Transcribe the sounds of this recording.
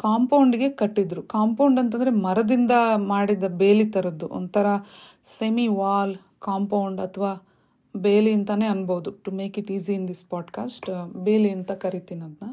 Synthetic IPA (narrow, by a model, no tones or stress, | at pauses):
kaːmpɐwuɳɖiɡe̞kɐʈːid̪ɾukaːmpɐwɳɖɐnt̪ɐnd̪ɾe̞mɐɾɐd̪ind̪ɐmaːɽid̪ɐbe̞ːlit̪ɐɾɐd̪ːuʔɔ̰nt̪ɐɾɐ | semiʋaːl | kaːmpɐwuɳɖɐt̪ʰɐʋaː | beːliɐnt̪ɐneːɐnbɐud̪uʈume̞ːkiʈiːziind̪ispaːʈkaːsʈbeːliɐnt̪ɐkɐɾit̪inɐd̪nɐ